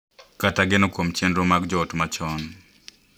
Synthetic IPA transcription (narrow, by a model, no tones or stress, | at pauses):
kataɡɪnɔkwomt͡ʃendɾomaɡd͡ʒɔːtmat͡ʃɔn